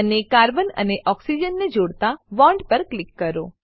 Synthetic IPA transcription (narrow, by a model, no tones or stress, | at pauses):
ənekaɾbənə̰neʔɔksid͡ʒənːed͡ʒoɽt̪aʋɔ̃ɳɖpəɾklɪkːəɾo